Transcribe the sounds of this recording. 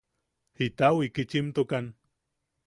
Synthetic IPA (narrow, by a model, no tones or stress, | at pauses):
hit̪awikit͡ʃimt̪ukan